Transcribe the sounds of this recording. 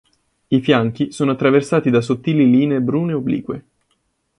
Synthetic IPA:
ifjaŋk̟isoːnoat̪ːɾaversaːt̪id̪asot̪ːiːliliːnebɾuːneoblḭːkwe

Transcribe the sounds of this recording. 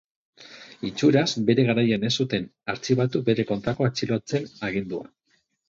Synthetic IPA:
it͡ʃuɾazbe̞ɾe̞ɣaɾajane̞sut̪e̞naɾt͡siβat̪ube̞ɾe̞ko̞nt̪ɾako̞at͡silot͡se̞naɣ̞ind̪ua̰

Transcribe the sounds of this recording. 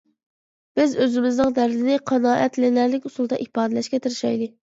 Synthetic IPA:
b̥ɪzøzɪmɪznɨŋd̪æɾd̪ɪnɪqʰɑnɑːʔɛt̪lɪnæɾlɪkʲusulˠd̪ɑʔihpɑːd̪ɨlɛʃkʲɛt̪ʰɨɾɪʃɑjd̪ɨ

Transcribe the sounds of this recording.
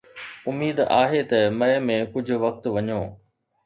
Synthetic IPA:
ʊmiːd̪aːɦet̪ɐmɐɦɪmẽkʊd͡ʑʱʊ̆ʋɐk̚t̪ʋɐɲoː

